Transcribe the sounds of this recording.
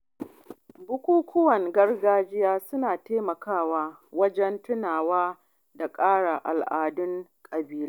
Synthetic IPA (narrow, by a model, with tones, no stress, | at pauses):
bʊ˦kʷuː˦kʷʊ˦wɐ˨ŋɡɐ˦rɡaː˦d͡ʒɪ˦jaː˦sʊ˦naː˨teː˦mɐ˨kaː˦˨waː˦wɐ˦d͡ʒɛ˦ntʊ˦naː˨waː˦ | da˨kʼaː˦ɽa˨ʔa̰˨lʔaː˨dʊ˦ŋkʼɐ˨biː˦laː˦